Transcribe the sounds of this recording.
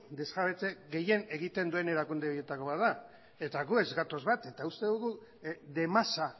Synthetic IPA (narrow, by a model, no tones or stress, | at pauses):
d̪e̞zɣaβet͡se̞ɣe̞je̞ne̞ɣit̪e̞nd̪ue̞ne̞ɾakund̪e̞o̞je̞t̪ako̞βaða | e̞t̪aɣue̞zɡat̪o̞zβat̪e̞t̪aust̪e̞ðuɣu | ðe̞masa